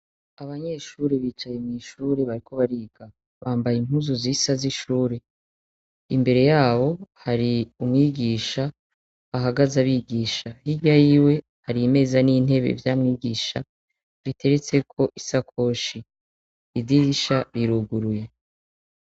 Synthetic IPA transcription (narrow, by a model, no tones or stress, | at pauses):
aβaɲe̞ʃuːɾeβiːt͡ʃajemŋiːʃuːɾeβaɾiko̞βaɾiːɡ̥a | βaːmbajin̥uzuzisaziʃuːɾe | imbe̞ɾe̞jaːβo̞haɾiumŋiːɡiːʃa | βaɦaɡazaβiɡiːʃahiɟajiːwe̞ | haɾime̞zaniːn̥e̞βe̞̰vjaːmŋiːɡiːʃa | βitʰe̞ɾe̞t͡se̞kʰo̞ʔisakʰoːʃi | idiɡiʃaɾiɾuɡuɾuje̞